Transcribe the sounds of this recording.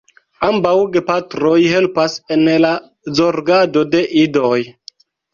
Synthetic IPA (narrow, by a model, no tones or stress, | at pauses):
ambawɡepatɾojhe̞lpasenla | zoɾɡado̞de̞ʔidoj